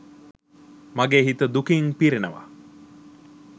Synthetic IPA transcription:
maɡeːɦit̪əd̪ukiŋpiɾenəʋa̰

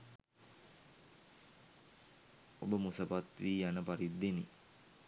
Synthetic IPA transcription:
obəmusəpat̪ʋiːjanəpaɾid̪ːeni

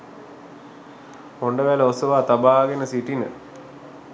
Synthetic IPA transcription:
hoɳɖəʋæləosəʋaːt̪abaːɡenəsiʈinə̰

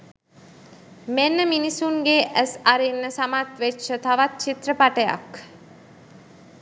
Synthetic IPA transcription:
menːəminisuŋɡeʔæsaɾinːəsamat̪ʋetːʃət̪aʋat̪̚t͡ʃit̪rəpaʈəja̰k

